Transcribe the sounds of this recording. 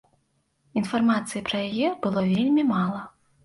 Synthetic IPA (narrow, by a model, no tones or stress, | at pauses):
infarmat̪sɨjipɾɐjajɛbɨlˠɔvʲelʲmʲimalˠɐ